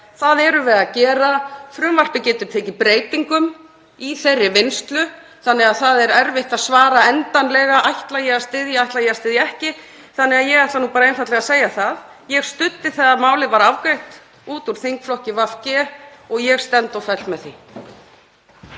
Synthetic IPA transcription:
θaðɛɾʏvɛːðacɛːɾafɾʏmvar̥pɪcɛːt̪ʏɾ̥t̪ʰɛːcɪpɾeːjt̪iŋkʏm | iθerːɪvɪnst̪lʏ | θanːɛɣaðθaðɛɾɛɾvɪht̪aðsvaːɾaɛnt̪anlɛɣaajht̪lajɛɣast̪ɪðjaajht̪lajɛast̪ɪːðjaɛhcɪ | θanːɛɣaðjɛɣaht̪lanupaːɾaejnfajt̪lɛɣaseːjaθað | jɛɣst̪ʏt̪ːɪθaðamaːwlɪvaɾawvkɾajht̪ | uːt̪uɾ̥θiŋkflɔhcɪvafcɛɔɣjɛɣst̪ɛnt̪ɔfɛl̥t̪mɛðθḭ

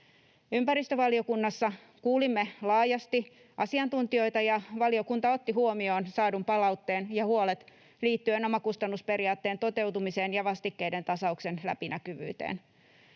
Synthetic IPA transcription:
ympæɾist̪øʋɑlio̞kunːɑsːɑ | kuːlimːelɑːjɑst̪i | ʔɑsiɑnt̪unt̪io̞it̪ɑjɑʋɑlio̞kunt̪ɑo̞t̪ːiɦuomio̞ːnsɑːdumpɑlɑwt̪ːeːnjɑhuolet̪ | liːt̪ːyeno̞mɑkust̪ɑnːuspe̞ɾiɑːt̪ːe̞ːnt̪o̞t̪e̞wt̪umise̞ːnjɑʋɑst̪ikːe̞ide̞nt̪ɑsɑuksenlæ̰pinʔækyʋy̰ːt̪ḛːn

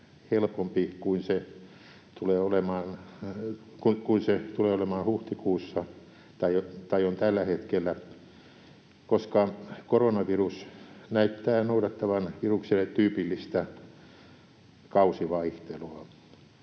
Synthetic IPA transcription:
helpompikuinse | t̪uleːolemɑːn | kukuinset̪uleːolemɑːnhuht̪ikuːsːɑ | t̪ɑjot̪ɑijont̪ælːæhet̪kelːæ | koskɑkoronɑʋirusnæyt̪ːæːnoudɑt̪ːɑʋɑnʋirukselet̪tyːpilːist̪æ | kɑusiʋɑiht̪eluɑ

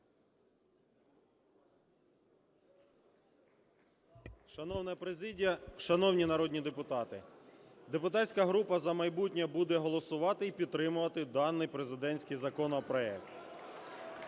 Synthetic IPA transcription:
ʃɐnɔwnɛpɾezʲidʲijɐʃɐnɔwnʲinɐɾɔdʲnʲid̪e̞pʊt̪ɑt̪ɪd̪e̞pʊt̪ɑtʲsʲkɐɦɾupɐzɐmɐjbutʲnʲɐbud̪ɛɦɔlˠɔsʊʋɑt̪ɪipʲid̪̚t̪ːɾɪmʊʋɐt̪ɪd̪ɑnːɪjpɾe̞zɪd̪ɛnʲsʲkɪjzɐkɔnɔpɾɔɛkt̪

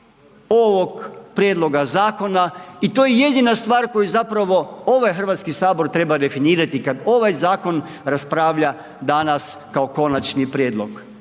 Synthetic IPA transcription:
oʋoɡpɾjed̪lˠo̞ɡazaːko̞nait̪oːjeje̞d̪inast̪ʋaːɾko̞juzapɾaʋo̞o̞ʋajxr̩ʋat̪skisaːbo̞ɾt̪ɾe̞bad̪e̞finiːɾat̪ikad̪o̞ʋajzaːko̞n | ɾaspɾaːʋʎa | d̪anaskao̞ko̞nat͡ʃnipɾjeːd̪lo̞ɡ

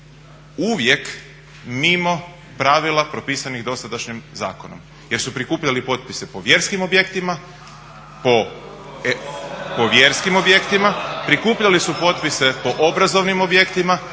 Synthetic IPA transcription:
uʋje̞k | mimo̞ | pɾaʋilˠapɾo̞piːsaniɣd̪o̞st̪ad̪aʃɲimza̰ːkono̰m | je̞ɾsupɾikuːpʎalipo̞t̪̚pise̞po̞ʋje̞ɾskimo̞bje̞kt̪ima | po | poʋje̞ɾskimo̞bje̞kt̪imapɾikuːpʎalisupo̞t̪̚pise̞po̞ʔobɾazo̞ʋnimo̞bje̞kt̪ima

